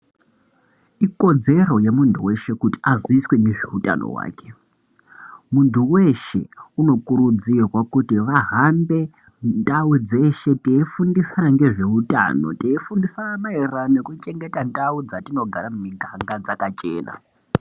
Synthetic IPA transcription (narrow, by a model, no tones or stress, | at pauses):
iko̞d͡ze̞ro̞jemuntʰuwe̞ʃe̞kuti̥aziiswe̞neʐeuta̰no̰wa̰ːke̞ | muntʰuwe̞ʃe̞̰uno̞kuɾud͡zirwakutiʋaɦambe̞ | ndaud͡ze̞ʃe̞teifundisanaŋɡe̞ʐe̞uta̰no̞̰teifundisaamaeranekut͡ʃe̞ŋɡe̞tandaud͡zatino̞ɡʱaɾamumiɡʱaŋɡad͡zakat͡ʃʼe̞̰ːna̰